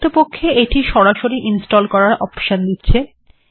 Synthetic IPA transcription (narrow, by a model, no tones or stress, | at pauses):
t̪opokʰːeeʈiʃɔɾaʃoɾiʔinsʈolkɔɾaɾʔɔpʃond̪itːɕʰe